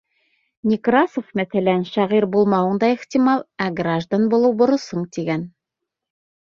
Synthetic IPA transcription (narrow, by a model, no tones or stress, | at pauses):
nʲikrasofmæθælænʃæʁiɾbulˠmɑwɤ̆ɴd̪ɑiχt̪ʲimɑlˠæɡraʒd̪anbulˠɤwbŏɾɤ̆sɤɴt̪iɡæn